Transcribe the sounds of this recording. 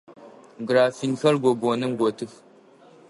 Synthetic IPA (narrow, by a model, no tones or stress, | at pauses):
ɡɾafinxɐɾɡoɡonɨŋɡotɨf